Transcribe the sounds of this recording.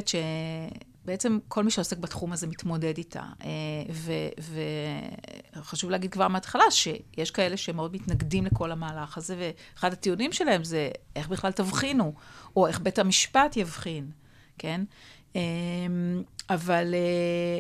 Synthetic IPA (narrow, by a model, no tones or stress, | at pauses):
t̪ʃe | beet͡se̞mkʰo̞lmiʃeose̞kbatχumaze̞mit̪mo̞de̞ditʰa̰eveve | χaʃuvleaɡid̪̚kvaʁmeatχalaʃejeʃkae̞le̞ʃemeo̞dmitnaɡdimle̞ko̞lamaːlaχaze̞ve̞ːχadhatiunimʃe̞lahe̞mzeʔeχbiχlaltavχinuo̞e̞χbethamiʃpatjavχin | ke̞n | emavale